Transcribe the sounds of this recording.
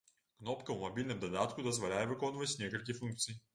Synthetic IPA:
knɔpkɐmɐbilʲnɛmd̪ɐd̪at̪kʊd̪ɐzvɐlʲaɛvɐkɔnvɐsʲnʲakəlˠkʲifuŋk̚t̪siː

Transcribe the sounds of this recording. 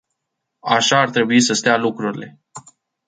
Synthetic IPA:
aʃaːrt̪ɾe̞buisəst̪ealukɾuɾile̞

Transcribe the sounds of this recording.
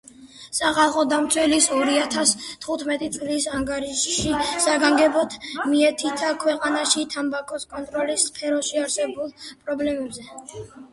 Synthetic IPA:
saχalˠχɔd̪amt̪sʰwɛlisɔɾiat̪ʰast̪ʰχut̪ʰmɛt̪ʼit̪sʼlisaŋɡaɾiʃʃisaɡaŋɡɛbɔt̪ʰmiɛt̪ʰit̪ʰakʰwɛqʼanaʃit̪ʰambakʼɔskʼɔnt̪ʼɾɔlisːpʰɛɾɔʃiaɾsɛbulˠpʼɾɔblɛmɛbzɛ

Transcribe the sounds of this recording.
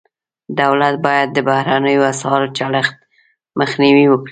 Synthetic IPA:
d̪awlat̪̚bɑjad̪̚ːəbahɾanəjoasɑɾot͡ʃaɽəxt̪̚ | məxniwiwəkɽi

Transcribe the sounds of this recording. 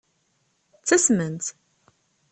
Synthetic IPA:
t͡sːæsmənt̪

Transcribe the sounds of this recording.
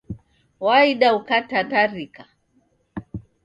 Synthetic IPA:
waiɗaukatataɾika

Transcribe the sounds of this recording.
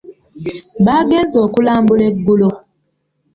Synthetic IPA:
baɡenzɔkulambuleɡulo

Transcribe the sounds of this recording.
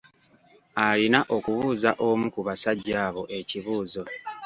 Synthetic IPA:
alinaʔo̞kuβuːzaʔo̞mukuβasaɟːaːβo̞ʔe̞ciβuːzo̞

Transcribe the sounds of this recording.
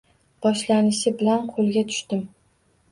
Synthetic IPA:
b̥ɒʃlanɪʃɪbɪlanqʰolˠɡʲat̪ʰʊ̥ʃt̪ɪm

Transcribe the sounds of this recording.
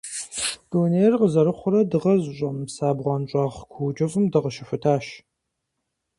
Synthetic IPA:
d̥oːneːrqəzɐɾɨχʷʊɾɐdɨʁɐzɕʷʼɐmsaːbʁʷɑnt͡ʃʷʼɑːʁkʷʰuːt͡ʃʼɐvɨmdɨʁəʃɪfɨtʰaːʃ

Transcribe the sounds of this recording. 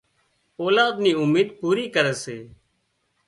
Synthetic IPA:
oːlaːd̪niːʊmiːd̪̚puːɾiːkəɾɛːseː

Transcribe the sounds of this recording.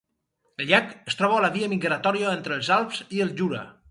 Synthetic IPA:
əlʎakəst̪ɾɔβaːlaβiəmiɣɾat̪ɔɾiaent̪ɾəlˠzalˠpz̥iəlˠʒuɾa̰

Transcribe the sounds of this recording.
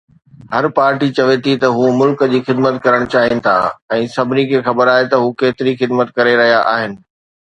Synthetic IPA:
hɐɾpaːɾʈit͡ɕɐʋet̪ʰit̪ɐɦuːmʊlkd͡ʑiːxɪd̪mət̪kɐɾəɽ̃t͡ɕaːɦinɪ̆t̪ʰa̰ːɛ̃ːsɐbʱɪnikʰeːxɐbəɾaːɦet̪ɐɦukeːt̪ɪɾixɪd̪mət̪̚kɐɾeɾɐɦijaʔa̰ːɦɪnɪ̆

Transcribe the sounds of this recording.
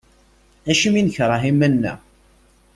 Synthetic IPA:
æʃəminçɾˤɑɦimænːæ̰

